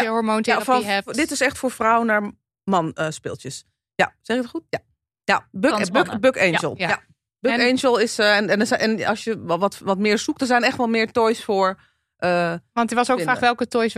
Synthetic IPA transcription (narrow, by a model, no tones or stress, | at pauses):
jəɦɔɹmoːnafɔdɪtɪsɛxtfʊːɹfrawənaːɹ | mɑnspɪ̰lˠtjəs | jasɛxɪkətχutja | jabbkbøkejnəlˠja | bøejnʒəlˠɪsəɛnɛnsʔɛnɑsjəʋɔtʋɔtmɪːɹsuk̚dnsɛjnɛxtʋɔlmɪːɹtɔjsfoːɹ | ʔəɔntəʋɔsokkɪnraːʋɛlˠkətɔjs